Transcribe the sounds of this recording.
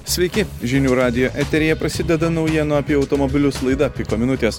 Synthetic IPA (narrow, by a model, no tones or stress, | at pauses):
sʲʋʲɛɪkʲɪʒʲɪnʲuːɾɑːd̪ʲɪjoːʔɛt̪ʲɛɾʲejɛpɾɐsʲɪd̪ʲɛd̪ɐnɒʊjɛnʊɐpʲiɛɒʊt̪ɔmɔbʲɪlʲʊslˠɐɪd̪ɐpʲɪkoːmʲɪnʊt̪ʲeːs